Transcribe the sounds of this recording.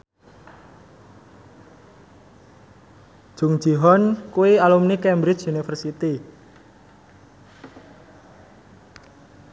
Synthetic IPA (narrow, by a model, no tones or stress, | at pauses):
d͡ʒ̥uŋ̥d͡ʒ̥i̤ɦɔnkuwialumnikɛmbɾɪt͡ʃunifərsit̪i